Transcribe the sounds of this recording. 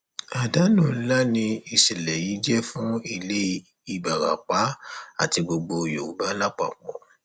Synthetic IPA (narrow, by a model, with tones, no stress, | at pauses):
a˨da˨˦nũ˨˦la˦nĩ˧i˨sɛ˨lɛ˨ji˨˦d͡ʒɛ˦fũ˦i˦˨le˦ | i˦˨ba˨ɾa̰˨k͡pa˨˦a̰˦˨ti˧ɡ͡bo˧ɡ͡bo˧˨jo̰˨u˨˦ba˦la˦k͡pa̰˦˨k͡pɔ̰̃˨